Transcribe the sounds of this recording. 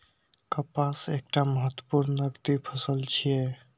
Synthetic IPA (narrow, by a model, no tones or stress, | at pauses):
kəpasek̚ʈaməɦət̪wə̥puɾnəɡt̪ipʰəsəlt͡ʃʰije